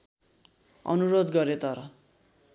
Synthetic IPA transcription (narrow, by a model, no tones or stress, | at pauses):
ʌ̰nuɾod̪ɡʌɾet̪ʌɾʌ